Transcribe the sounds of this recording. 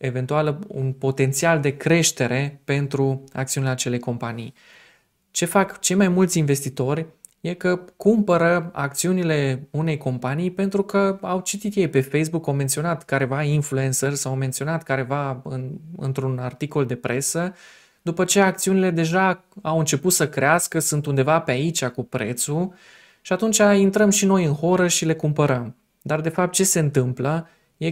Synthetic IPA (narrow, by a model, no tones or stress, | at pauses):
e̞ve̞nt̪ualəṵnpo̞t̪e̞nt̪siald̪e̞kɾe̞ʃt̪e̞ɾe̞pe̞nt̪ɾua̰k̚t̪siunileat͡ʃe̞le̞ko̞mpanij | t͡ʃe̞fakt͡ʃe̞jmajmult̪sʲinve̞st̪it̪o̞rʲ | je̞kəkumpəɾəa̰k̚t̪siunile̞une̞jko̞mpanijpe̞nt̪ɾukəawt͡ʃit̪it̪je̞jpe̞fejs̬bukawment̪sio̞nat̪kaɾe̞vainflue̞nsərsawwme̞nt̪sio̞nat̪kaɾe̞vaɨnɨ̰nt̪ɾunart̪iko̞ld̪e̞pɾe̞sə | d̪upət͡ʃe̞ak̚t̪siunile̞d̪e̞ʒa | awɨnt͡ʃe̞put̪səkɾeaskəsunt̪und̪e̞vape̞ait͡ʃʲakupɾe̞t̪su | ʃiat̪unt͡ʃʲaint̪ɾəmʃino̞jɨnxo̞ɾəʃile̞kumpəɾəm | d̪ard̪e̞fap̚t̪̚t͡ʃe̞se̞ɨnt̪ɨmplə | je